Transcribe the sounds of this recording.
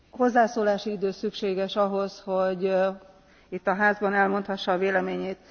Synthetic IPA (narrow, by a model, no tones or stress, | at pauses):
ho̞zːaːsoːlaːʃiid̪øːsykʃeːɡɛʃɒɦo̞shoɟ | it̪ːɒɦaːzbɒnɛlmo̞nt̪hɒʃːɒveːlɛmeːɲeːt̪̚